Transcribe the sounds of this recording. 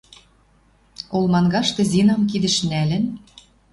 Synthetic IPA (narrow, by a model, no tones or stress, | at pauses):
olˠmɑnɡɑʃt̪ɤ̆zinɑmk̬id̪ɘ̆ʃnælɘ̆n